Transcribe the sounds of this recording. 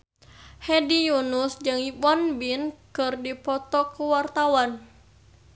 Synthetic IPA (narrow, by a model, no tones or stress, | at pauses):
hɛdijunusd͡ʒɨŋipɔnbinkɨrdipɔt̪ɔkuwart̪awan